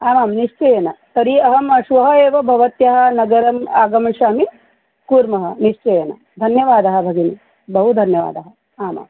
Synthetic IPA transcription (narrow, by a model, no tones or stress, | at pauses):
aːmaːmniʂt͡ʃɐjeːnɐt̪ɐɾiɐɦɐmɐʃʋɐɦɐ̆eːʋɐbʱɐʋɐt̪jɐɦɐ̆nɐɡɐɾɐmaːɡɐmɐʃaːmi | kuːɾmɐɦɐ̆niʂt͡ʃɐjeːnɐ̰ | d̪ʱɐnjɐʋaːd̪ɐɦɐ̆bʱɐɡini | bɐɦud̪ʱɐnjɐʋa̰ːd̪ɐɦɐ̆ | aːma̰ːm